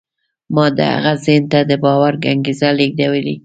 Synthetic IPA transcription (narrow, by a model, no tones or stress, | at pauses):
mɑd̪ə̰ha̰ɣazent̪ad̪əbɑwaɾɡaŋɡizaleɡ̚d̪awəli